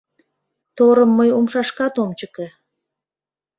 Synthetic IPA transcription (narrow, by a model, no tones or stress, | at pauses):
t̪oɾəmːəjomʃɑʃkɑt̪omt͡ɕəke